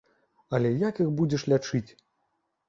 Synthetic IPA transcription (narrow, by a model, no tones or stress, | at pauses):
ɐlʲɛjakixbud͡zʲɛʂlʲat͡ʂɨt͡sʲ